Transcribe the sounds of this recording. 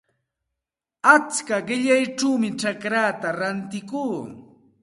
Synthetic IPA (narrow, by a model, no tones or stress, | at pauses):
at͡skaɢɪʎajʈ͡ʂuwmɪt͡ʃakɾaːt̪aɾant̪ɪkuː